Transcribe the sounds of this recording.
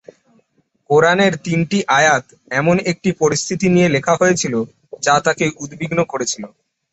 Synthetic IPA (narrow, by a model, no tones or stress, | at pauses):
koɾaneɾt̪inʈiʔajat̪ | ɛmonek̚ʈipoɾist̪ʰit̪inijelekʰaɦojet͡ɕʰilo | d͡ʑat̪akeʔud̪biɡnokoɾet͡ɕʰilo